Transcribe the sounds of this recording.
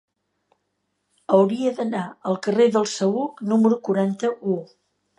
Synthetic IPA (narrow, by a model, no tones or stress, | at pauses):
əwɾiəðənaəlˠkəreðəlˠsəuknuməɾukuɾant̪əʔu